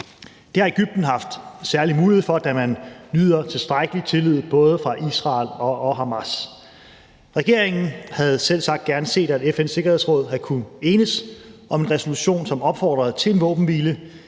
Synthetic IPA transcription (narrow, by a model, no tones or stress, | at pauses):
d̥e̝hɑ̈e̝ɡ̥yb̥̚d̥n̩ɦɑ̈fd̥sæɐlimuːlihefɒ̽d̥æmænlyð̞̰ˠɐt͡sʰe̝sd̥ʁaɡ̥əlit͡sʰe̝lyð̩ˠb̥ɔ̽ːð̞ˠəfʁɑ̈ʔisʁɑ̰̈ːlɒ̽ʔɒ̽ɦɑ̈mæs | ʁɛɡ̥e̝ɐ̰e̝ŋn̩hæð̞̩ˠsel̰sɑ̈ɡ̥̚d̥ɡ̥æɐnəse̝̰ːd̥æd̥efense̝ɡ̥ɐhe̝ðˠsʁɔ̽ːð̰ˠɦækʰunəe̝ːnəsʔɒ̽me̝nʁɛso̝luɕo̝̰ːnsɒ̽mɒ̽b̥fɒ̰ːd̥ʁɐð̩ˠt͡sʰe̝le̝nʋɔ̰̽ːb̥m̩ʋiːlə